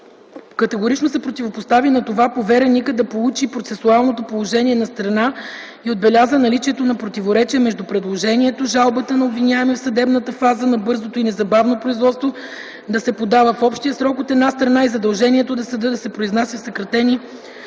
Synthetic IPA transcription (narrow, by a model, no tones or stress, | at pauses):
kɐt̪ɛɡoɾit͡ʃnosɛpɾot̪ʲivopost̪avinɐt̪ovapovɛɾɛnʲikəd̪ɐpolˠut͡ʃipɾot̪sɛsualˠnot̪opolˠoʒɛniɛnɐst̪ɾɐna | iod̪̚bɛlʲazənɐlit͡ʃiɛt̪onɐpɾot̪ivoɾɛt͡ʃiəmɛʒd̪upɾɛd̪lˠoʒɛniɛt̪oʒalˠbət̪ənɐobvinʲavɛmɛfsɐd̪ɛbnət̪əfazənɐbɤɾzot̪oinɛzɐbavnopɾoizvɔt̪st̪vo | d̪ɐsɛpod̪avəfɔpʃt̪iəsɾɔkot̪ɛd̪nast̪ɾɐnaizɐd̪ɐlˠʒɛniɛt̪od̪ɐsɛd̪d̪ɐsɛpɾoiznasjəfsɐkɾɐt̪ɛni